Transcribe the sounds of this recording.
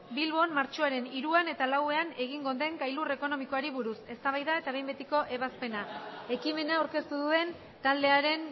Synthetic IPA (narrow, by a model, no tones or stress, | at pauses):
bilβo̞nmaɾt͡ʃoaɾe̞niɾuane̞t̪alawe̞ane̞ɣ̞iŋɡo̞d̪e̞ŋkajlure̞ko̞no̞miko̞aɾiβuɾuse̞st̪aβajðae̞t̪aβe̞jmbe̞t̪iko̞ʔe̞βaspe̞nae̞kime̞nawɾke̞st̪uðue̞n | t̪ald̪e̞aɾe̞n